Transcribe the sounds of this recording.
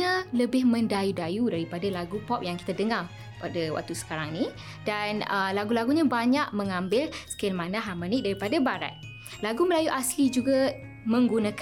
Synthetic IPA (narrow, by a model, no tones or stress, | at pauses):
ãləbɪhmə̃ndajudajudaɾipadalaɡupɔp̚jaŋki̥t̪adəŋar | padawa̰k̚t̪usə̥kaɾaŋnĩ | danəlaɡulaɡuɲãbaɲak̚mə̃ŋãmbɪlsə̥kɪlmanãɦaməniʔdaɾipadabaɾa̰t̪̚ | laɡuməlajuʔaslid͡ʒuɡa | mə̃ŋɡunak